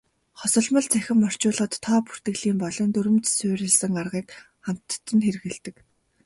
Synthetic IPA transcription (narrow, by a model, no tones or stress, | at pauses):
χɔsɞ̆ɮmə̆ɮt͡sʰæxʲɪ̆mːɔr̥t͡ɕʊːɮ̆χɞ̆t̪ʰːɔːpu̥r̥t̪ɘ̆ɣɮiːmpɔɮɞ̆nt̪ɵɾɘ̆mt͡ssʊːɾʲɪ̆ɮsɘ̆ŋarʁiːk | χam̥t̪ːə̆nxeɾɣɘ̆ɮt̪ɘ̆k